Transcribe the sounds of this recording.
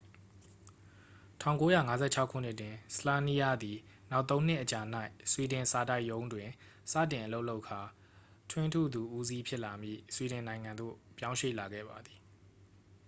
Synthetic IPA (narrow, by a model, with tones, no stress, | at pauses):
tʰã˦˨ʊ̃ŋko˦ja̰˦˨ŋa˦zɛ̰˦˨t͡ɕʰa˦ʊkʰṵ˦˨n̥ɪ˦ʔtwɪ̃˨sə̥la˦ni˦ja˦d̪i˨ | na˦ʊʔt̪ːõ˦ʊ̃n̥ɪ˦ʔət͡ɕa˨n̥a˦ɪswi˨dɪ̃˨sa˨ta˦ɪʔjõ˦ʊ̃ndwɪ̃˨ | sä̰˦˨tɪ̃˨ʔə˨lo˦ʔlo˦ʊʔkʰːa˨ | tʰwɪ̃˦ntʰṵ˦˨d̪u˨ʔu˦zi˦pʰjɪ˦ʔla˨mjḭ˦˨swi˨ɾɪ̃˨nã˨ɪ̃ŋã˨nd̪o̰˦˨pjã˦ʊ̃ʃḛ˦˨la˨ɡɛ̰˦˨ba˨d̪i˨